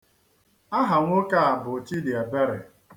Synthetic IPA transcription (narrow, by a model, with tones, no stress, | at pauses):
a˦ɦa˨ŋʷʊ˦ka˦a˨bʊ˨ti˦di˨a˨be˦ɾe˨